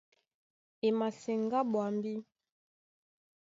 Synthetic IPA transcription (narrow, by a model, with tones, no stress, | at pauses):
e˨ma˨se˨ŋɡa˦ɓwa˨mbi˦